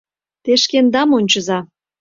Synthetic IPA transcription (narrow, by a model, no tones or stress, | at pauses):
t̪eʃkend̪ɑmonʲt͡ɕə̆zɑ